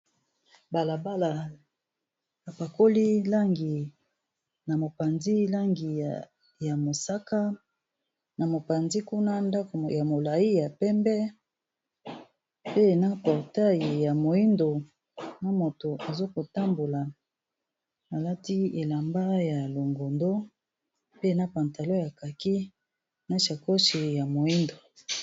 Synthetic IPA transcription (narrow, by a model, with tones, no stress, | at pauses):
ba˨la˨ba˦la˨ | a˨pa˨ko˦li˦la˦ŋɡi˨ | na˨mo˨pa˨nzi˦la˦ŋɡi˨ | ja˨mo˨sa˦ka˦ | na˨mo˨pa˨nzi˦ku˦na˦nda˦ko˨ja˨mo˨la˨ji˦ja˨pɛ˦mbɛ˦ | pe˦na˦pɔ˨ʁta˦ji˨ja˨mo˨i˦ndo˨ | na˦mo˨to˨ʔa˨zo˦ko˨ta˦mbo˨la˨ | na˨la˦ti˦e˨la˨mba˦ja˨lo˨ŋɡo˨ndo˦ | pe˦na˦pa˨nta˨lo˦ja˨ka˨ki˦ | na˦ʃa˨ko˦ʃi˨ja˨mo˨i˦ndo˨